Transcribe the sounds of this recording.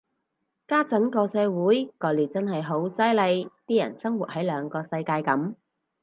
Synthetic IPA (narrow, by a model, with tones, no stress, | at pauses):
kaː˥t͡sɐ˨˥ŋkɔː˧sɛː˧wuː˨˥jkɔː˨˧liː˨˩t͡sɐ˥nɦɐ˨jɦo˨˥wsɐ˥jlɐ˨˧jt̪iː˥jɐ̰˨˩nsɐ˥ŋwuː˨t̚hɐ˨˥jlœː˨˧ŋkɔː˧sɐ˧jkaː˧jkɐ˨˥m